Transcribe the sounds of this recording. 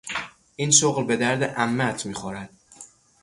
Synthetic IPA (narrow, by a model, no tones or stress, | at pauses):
ʔiːnʃoɣlbe̞d̪æɾd̪eʔæmːæt̪ʰmiːxɒːɾæd̪̥̚